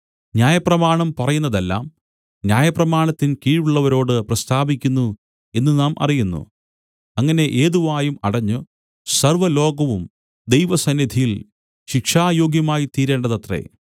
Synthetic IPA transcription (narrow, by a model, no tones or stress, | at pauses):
ɲjaːjɐprɐmaːɳɐmpɐrɐjunːɐðelːa̰ːm | njaːjɐprɐmaːɳɐt̪ːinkiːɻuɭːɐʋɐɾo̞ːɽɨprɐst̪ʰaːbikʲːunːu | e̞nːɨnaːmʔɐ̰rijunːṵ | ɐŋːɐne̞ʔeːðuʋaːjumɐɽɐɲːu | sɐrʋɐlo̞ːɡɐʋum | d̪ejʋɐsɐnːid̪ʱijil | ɕikʂaːjo̞ːɡjɐmaːjit̪iːɾe̞ːɳɖɐðɐt̪re̞̰